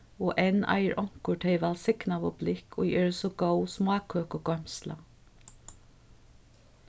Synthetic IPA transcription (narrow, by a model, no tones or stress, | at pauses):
ɔʔɛna̰jɹʔɔŋ̥kʊʈ̪ʰeɪʋalsɪknaʋɔblɪkʰɔ̰iʔɛːɹəsɔɡowsmɑːkʰøːkɔɡɔm̥sla̰